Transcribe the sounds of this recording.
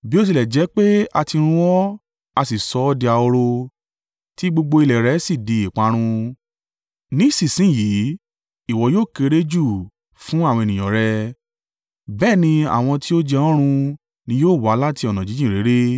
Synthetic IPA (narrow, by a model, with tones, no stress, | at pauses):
bi˦o˦s̬i˧˨lɛ˨d͡ʒɛ˨˦k͡pe˦a˧ti˧ɾ̃ũ˧ɔ˦ | a˧si˨sɔ˨˦˧di˧a˧o˧ɾo˧ | ti˦ɡ͡bo˧ɡ͡bo˧i˧lɛ˨ɾɛ˨˦si˦˨di˧˦i˨k͡pa˨˦ɾ̃ũ˧ | nĩ˦si˦˨sĩ˨˦˨ji˨˦ | i˦˨wɔ˨˦joː˦˨ke˨˧˦ɾe˦d͡ʒu˦˨ | fũ˦a˦˨wɔ̃˧e˨nĩ˨ɔ̃˨ɾɛ˧ | bɛː˦˨nĩ˧a̰˨w̃ɔ̃˧ti˦o˦d͡ʒɛ˧ɔ̃˦ɾ̃ũ˧ | nĩ˧˦joː˦˨wa˨˦la˦ti˧ɔ˨nã˨d͡ʒi˨˦d͡ʒĩ˦˨ɾe˨˦ɾe˦